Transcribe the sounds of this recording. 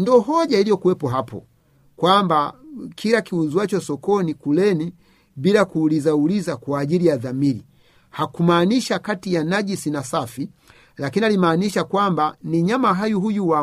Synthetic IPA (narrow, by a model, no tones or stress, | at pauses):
ndɔɦɔʄailijɔkuwɛpɔɦapɔ̰ | kwambakʰilakiuzwat͡ʃɔsɔkɔnikulɛni | bilakuːlizaulizakwaːɟilijaðamili | hakumaːniʃakatijanaʄisinasafi | lakinialimaːniʃakwambaniɲamaɦajuɦujuwa